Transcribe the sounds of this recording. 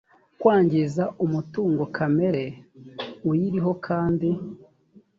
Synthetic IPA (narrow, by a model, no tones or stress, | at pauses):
kwaːɲɟizaʔumutuːŋɡo̞kʰame̞ɾe̞ | ujiɾiɦo̞kʰaːndi